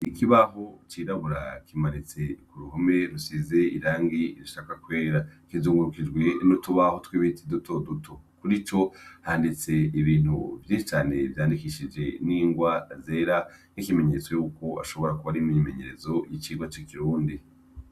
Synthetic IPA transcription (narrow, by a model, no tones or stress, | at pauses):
ikʰiβaɦo̞t͡ʃiːɾaβuɾa̰kʰimaɾit͡se̞kuɾuɦome̞ɾusize̞iɾaːŋɡiɾiʃaːkakwe̞ːɾakizuːŋɡuɾukid͡ʒɡwe̞nutuβahotwiβitidutʰo̞dutʰokuɾit͡ʃo̞handit͡se̞iβiːn̥hṵvjiːnʃit͡ʃaːne̞vjaːndikiʃid͡ʒe̞niːŋɡwaze̞ːɾanikime̞ɲe̞t͡swejuːko̞a̰ʃo̞βo̞ɾakuβaɾimijime̞ɲe̞ɾe̞zo̞jit͡ʃiːɡwat͡ʃikiɾuːndi